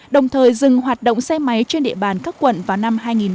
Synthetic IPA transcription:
ɗə˨˩wŋ͡mt̪ʰəː˨˩jzɨ˨˩ŋhwaː˨˩t̚ɗo̰˧˨ŋ͡msɛ˧ma˨˦jt͡ɕe˧nɗḭ˧˨əɓaː˨˩nkaː˦˥kːwə̰˧˨nvaː˨˩wna˧mɦaː˧jŋi˨˩n

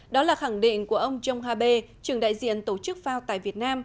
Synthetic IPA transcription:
ɗɔ˨˦laː˨˩xa˧˩ŋɗḭ˧˨ŋ̟ku˧˩əʔə˧wŋ͡mt͡ɕə˧wŋ͡mhaː˧ɓe˧t͡ɕɨ˨˩əŋɗa̰ː˧˨jzḭ˧˨ənt̪o˧˩t͡ɕɨ˦˥k̚faː˧wt̪a̰ː˧˨jvi˨˩ət̚naː˧m

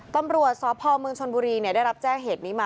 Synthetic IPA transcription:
t̪a˧mɾu˨˩ət̪̚sɔː˨˦pʰɔː˧mɯ˧ŋt͡ɕʰo˧nbuː˧ɾiː˧ni˥˩da˥˩jɾa˦˥p̚t͡ɕɛː˥˩ŋɦeː˨˩t̪̚niː˦˥maː˧

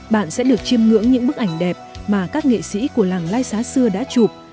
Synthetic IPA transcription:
ɓa̰ː˧˨nsɛ̰˧˥ɗɨ˨˩ək̚t͡ɕi˧əmŋɨ̰˧˥əŋɲɨ̰˧˥ŋɓɨ˦˥k̚ʔa˧˩jŋ̟ɗɛ˨˩p̚maː˨˩kaː˦˥k̚ŋḛ˧˨sḭ˧˥ku˧˩əlaː˨˩ŋlaː˧jsaː˨˦sɨ˧əɗa̰ː˧˥t͡ɕu˨˩p̚

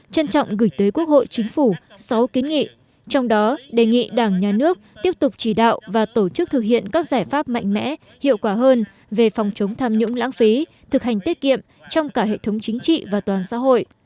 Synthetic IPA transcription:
t͡ɕə˧nt͡ɕɔ̰˧˨wŋ͡mɣɨ˧˩jt̪əː˨˦jku˦˥ək̚ho̰˧˨jt͡ɕï˨˦ŋ̟fu˧˩sa˨˦wki˨˦nŋḭ˧˨ | t͡ɕɔ˧wŋ͡mɗɔ˨˦ɗe˨˩ŋḭ˧˨ɗaː˧˩ŋɲaː˨˩nɨ˦˥ək̚t̪i˦˥əp̚t̪ʊ˨˩k͡p̚t͡ɕi˧˩ɗa̰ː˧˨wvaː˨˩t̪o˧˩t͡ɕɨ˦˥k̚t̪ʰɨ˨˩k̚hḭ˧˨ənkaː˦˥k̚zaː˧˩jfaː˦˥p̚ma̰˧˨jŋ̟mɛ̰˧˥ | hḭ˧˨əwkwaː˧˩ɦəː˧n | ve˨˩fɔ˨˩wŋ͡mt͡ɕə˨˦wŋ͡mt̪ʰaː˧mɲʊ̰˧˥ŋ͡mla̰ː˧˥ŋfi˨˦ | t̪ʰɨ˨˩k̚ɦha˨˩ŋ̟t̪i˦˥t̚kḭ˧˨əm | t͡ɕɔ˧wŋ͡mkaː˧˩ɦḛ˧˨t̪ʰə˨˦wŋ͡mt͡ɕï˨˦ŋ̟t͡ɕḭ˧˨vaː˨˩t̪waː˨˩nsa̰ː˧˥ɦo̰˧˨j

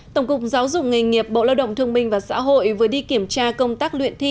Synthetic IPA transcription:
tt̪ə˧˩wŋ͡mkʊ˨˩k͡p̚zaː˨˦wzʊ̰˨˩k͡p̚ŋa˨˩ŋŋi˨˩əp̚ɓo̰˧˨laː˧wɗə̰˧˨wŋ͡mt̪ʰɨ˧əŋɓï˧ŋ̟vaː˨˩sa̰ː˧˥ɦo̰˧˨jvɨ˨˩əjɗi˧ki˧˩əmt͡ɕaː˧kə˧wŋ͡mt̪aː˦˥k̚lwḭ˧˨ənt̪ʰi˧

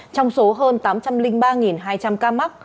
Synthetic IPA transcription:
t͡ɕɔ˧wŋ͡mso˨˦ɦəː˧nt̪aː˨˦mt͡ɕa˧mlï˧ŋɓaː˧ŋi˨˩nɦaː˧jt͡ɕa˧mkaː˧ma˦˥k̚

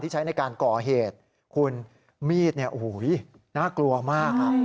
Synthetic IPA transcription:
t̪ʰiː˥˩t͡ɕʰa˦˥jna˧jkaː˧nkɔː˨˩ɦeː˨˩t̪̚ | kʰu˧n | miː˥˩t̪̚ni˥˩ʔu˨˩˦j | naː˥˩klu˧ɐmaː˥˩k̚

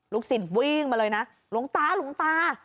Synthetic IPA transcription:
lu˦˥k̚si˨˩t̚wi˧ŋmaː˨˧˩ləː˨˧jna˨˦˥ | lu˨˦əŋt̪aː˨˦lu˨˧˦əŋt̪aː˧

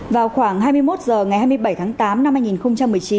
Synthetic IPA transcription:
vaː˨˩wxwaː˧˩ŋɦaː˧jmɨ˧əjmo˦˥t̚zəː˨˩ŋa˨˩jha˧m˧əjɓə˧˩jt̪ʰaː˨˦ŋt̪aː˨˦mna˧mhaː˧jŋi˨˩nxə˧wŋ͡mt͡ɕa˧mːɨ˨˩əjt͡ɕi˨˦n

